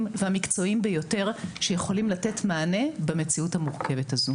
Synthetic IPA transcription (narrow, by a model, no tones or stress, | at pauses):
mveamikt͡so̞imbejo̞te̞ʁʃejeχo̞limlate̞tmaːne̞beme̞t͡siuthamuʁke̞ve̞tazu